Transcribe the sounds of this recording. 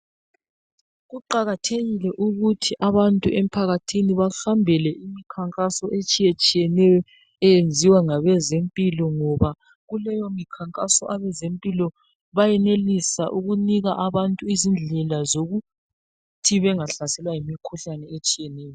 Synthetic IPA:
ɣuǃaɣatʰeɣilɛʔuɣutʰiʔaβantʼuʔem̩pʰaɣatʰiniβaɬambʱɛlɛʔimikʰaŋkʼasɔʔet͡ʃʼijet͡ʃʼijɛnɛjɔ | ɛjend͡zʱiwaŋaβɛzempʼilɔŋɔβa | ɣulɛjomikʰaŋkʼasɔʔaβɛzempʼilɔ | βajɛnelisa̰ʔuɣuniɣaʔaβantʼuizind͡ɮʱɛlazoɣu | tʰiβɛŋaɬasɛlwajimikʰuɬanɛet͡ʃʼijɛnɛːjɔ

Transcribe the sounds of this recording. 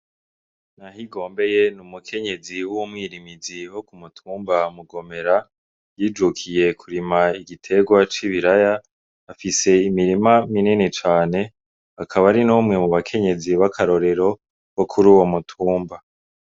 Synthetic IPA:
nahiɡo̞ːmbe̞je̞numukʰe̞ɲe̞ziwuwomŋiːɾimiziwo̞kumutʰuːmbamuɡo̞me̞ɾa | jiːd͡ʒukʰije̞kʰuɾimaiɡitʰe̞ɡwat͡ʃiβiɾajaː | fise̞imiɾimamininit͡ʃaːne̞ | akʰaβaɾinuːmŋe̞muβakʰe̞ɲe̞ziβakʰaɾo̞ɾe̞ɾo̞ | βokʰuɾuːwo̞mutʰuːmba

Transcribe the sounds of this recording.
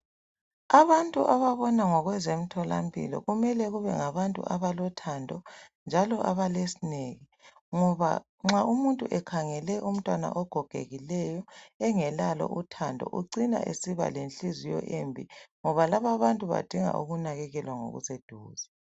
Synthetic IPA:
aβantʼuʔaβaβɔnaŋɔɣwɛzem̩tʰɔla̰mpʰʼḭlɔ̰ɣumɛlɛɣuβɛ̰ŋaβantʼṵʔaβalɔtʰandʱɔnd͡ʒʱalɔʔaβalesineːɣi | ŋɔβa̰ | ŋ͡ǁaumuntʼuʔɛkʰaŋɛlɛʔum̩tʼwana̰ʔɔɡ̥ʱɔɡ̥ʱḛɣilɛjɔɛŋɛlalɔ̰ʔutʰandʱɔ̰ʔuǀina̰ʔesiβa̰lenɬizijɔ̰ʔembʱḭŋɔβalaβaβantʼuβa̰d̥ʱiŋa̰ʔṵɣunaɣɛɣɛlwaŋo̰ɣṵsed̥ʱuːza

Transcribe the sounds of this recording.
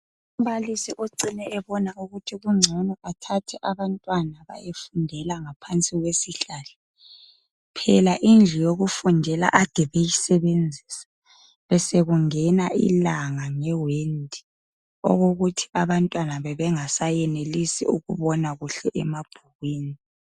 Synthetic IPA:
um̩βalisiʔoǀinɛːβɔnauɣutʰiɣuŋ͡ǀʱɔnɔatʰatʰɛʔaβantʼwanaβa̰jefundʱɛlaŋapʰant͡sʼiɣwesiɬaːlɛ | pʰɛlaʔind͡ɮʱijoɣufundʱɛla̰ʔad̥ʱɛβejisɛβend͡zʱisḁ | βɛseɣuŋɛnaʔḭlaŋaŋɛwendʱi̥ | ɔ̰ɣoɣutʰi̥ʔaβantʼwanaβɛβɛŋasajɛnelisḭuɣuβɔnaɣuɬɛʔɛmab̥ʱuɣwiːni

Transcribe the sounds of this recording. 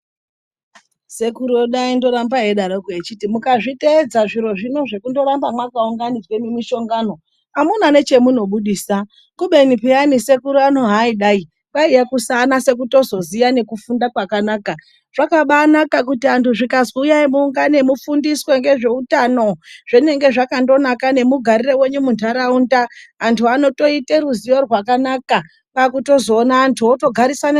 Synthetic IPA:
se̞kuɾoɗaindo̞ɾambaɦeɗaɾokoet͡ʃitimukaʐiteːd͡zaʐiɾo̞ʐino̞ʐe̞kundo̞ɾambamwakauŋɡanid͡zwe̞memiʃo̞ŋɡaːno̞ | amunane̞t͡ʃe̞muno̞ɓuɗiːsa | kuɓe̞nipeanise̞kuɾuano̞ɦaiɗai | ɓaiakusanase̞k̬uto̞zo̞zijane̞kufundakwakanaːka | ʐ̥akaɓanakak̬utiantʰuʐikazujaimuŋɡane̞mufundiswe̞ŋɡe̞ʐe̞utano̞ʐ̥ene̞ŋɡe̞ʐakando̞nakane̞muɡʱaɾirewe̞ɲumuntaɾaundaːntʰuano̞to̞iteɾuzijo̞rwakanaka | pakuto̞zo̞ːnaːntʰuoto̞ɡʱaɾisana

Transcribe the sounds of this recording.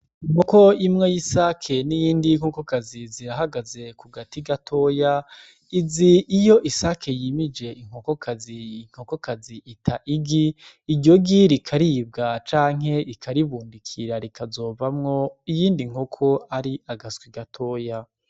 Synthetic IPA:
iŋuko̞imŋe̞jisakʰe̞nijiːndiŋ̥hokokaziziɾaɦaɡaze̞kuɡatiɡatʰo̞ja | iziʔːjo̞ʔisakʰe̞jimid͡ʒe̞iŋ̥o̞ko̞kʰaziŋ̥ho̞ko̞kaziitʰaʔiɡiː | ɟo̞ɡiɾikʰaɾib̚ɡat͡ʃaːŋ̥e̞ikʰaɾiβuːndikʰiɾaɾikʰazo̞ːvamŋo̞ijiːndiŋ̥hokʰo̞aɾiʔaɡaskwiɡatʰo̞ja

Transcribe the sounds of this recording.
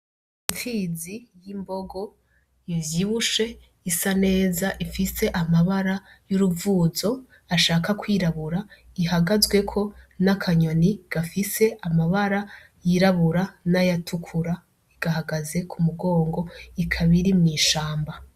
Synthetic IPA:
ifiːzijimbo̞ɡo̞ | ivjiːβuʃe̞ | isane̞ːzaʔifise̞ʔamaβaɾa | juɾuvuːzo̞ | aʃaːkakwiːɾaβuɾa | iɦaɡazɡwe̞kʰo̞nakʰaɲoniɡ̥afise̞amaβaɾa | jiɾaβuɾanajatʰukʰuɾa | iɡ̥aɦaɡaze̞kʰumuɡo̞ːŋɡo̞ikʰaβiɾimŋiːʃaːmba

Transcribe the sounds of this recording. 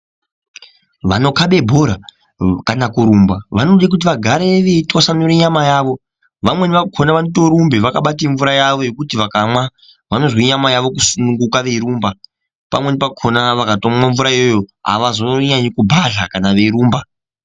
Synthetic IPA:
ʋano̞kaɓe̞bʱoɾa | kanakuɾumbaʋanoɗak̬ut̬iʋaɡʱaɾeʋeitwasanuɾiɲamajaːʋo̞ | ʋamwe̞niʋakʰonaʋanoto̞ɾumbeʋakaɓateɱvuɾajaʋo̞jo̞kutiʋakamwa | ʋano̞zwoɲamajaʋo̞kusunuŋɡukaʋe̞iɾuːmba | pa̰mwe̞nipakʰonaʋakatomwaɱvuɾajojoa̰ʋazoɲaɲikubʱaɮakanaʋe̞iɾuːmba

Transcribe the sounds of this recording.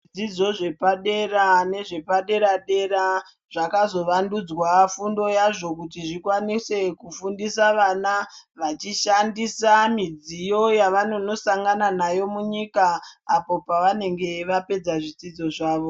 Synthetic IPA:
id͡zid͡zo̞ʐe̞paɗe̞rane̞ʐe̞paɗe̞ɾaɗe̞ɾa | ʐ̥akazo̞ʋandud͡zwafundo̞jaʐo̞kutiʐikwanise̞kufundisaʋanaʋat͡ʃiʃandisamid͡zijo̞jaʋano̞no̞saŋɡananajo̞muɲikaːpo̞paʋane̞ŋɡe̞ʋape̞d͡zaʐid͡zid͡zo̞ʐaːʋo

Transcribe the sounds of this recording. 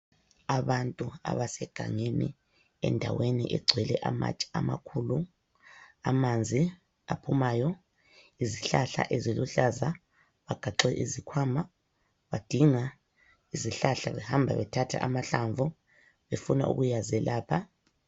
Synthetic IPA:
aβantʼua̰βasɛɡ̥ʱa̰ŋenḭ | ɛ̰ndʱa̰wenḭʔɛɡ͡ǀʱwɛlɛʔama̰t͡ʃʼi̥a̰ma̰kʰulu | amand͡zʱi | apʰumaːjɔ | iziɬaɬa̰ʔeziluɬaza | βaɡ̥ʱaǃɛʔizikʰwama | βad̥ʱiŋa | iziɬaɬaβɛhambʱa̰βɛtʰatʰa̰ʔamaɬaɱvu | βefuna̰ʔṵɣujazɛlaːpʰa

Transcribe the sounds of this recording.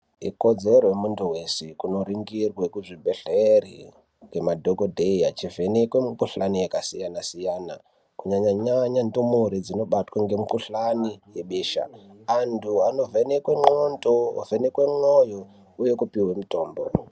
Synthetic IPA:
ḭko̞d͡zeɾojemuntuwe̞sekuno̞ɾiŋɡirwekuʐibʱeɬerḭ | ŋɡe̞madʱokodʱeiat͡ʃivenekwemkuɬanijekasijanasijaːna̰ | kuɲaɲaɲaɲandumoɾid͡zino̞ɓatwaŋɡe̞mukuɬanijeɓeːʃa̰ːntʰuano̞venekweŋonto̰ːvʱenekwe̞ŋojo | uje̞kupiwe̞muto̞ːmbo̰

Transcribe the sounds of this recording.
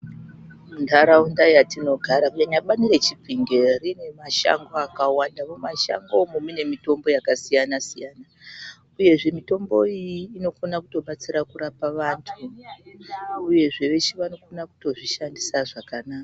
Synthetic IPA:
mundaɾaundajatino̞ɡʱaɾakaɲaɓanire̞t͡ʃipiŋɡe̞rine̞maʃa̰ŋɡo̞akawandamomaʃa̰ŋɡo̞mumine̞mito̞mbo̞jakasijanasijaːna | uje̞ʐe̞mito̞mbo̞ijiːno̞konakuto̞ɓat͡siɾakuɾapaʋantʰu | uje̞ʐe̞ʋe̞t͡ʃiʋano̞konaku̥to̞ʐiʃandisaʐakanaːka

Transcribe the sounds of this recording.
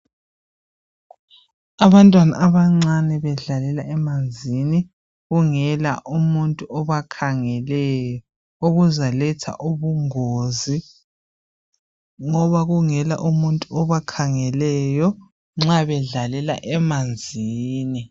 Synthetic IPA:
aβantʼwana̰ʔaβaŋ͡ǀanɛβɛɮalɛlaʔɛmand͡zʱini | ɣuŋɛla̰ʔumuntʼuɔβakʰaŋɛlɛjɔ | oɣuzalɛtʰa̰ʔuβuŋoːzi | ŋɔβaɣuŋɛla̰ʔumuntʼuɔβakʰaŋɛlɛjɔ | ŋ͡ǁaβɛɮalɛla̰ʔɛmand͡zʱiːni

